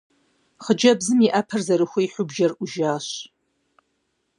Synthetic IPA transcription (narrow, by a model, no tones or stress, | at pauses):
χəd͡ʒɐbzɨmiʔɐpʰɐrzɐɾɨxʷiiħʷʊbʒɐrʔʊʒaːɕ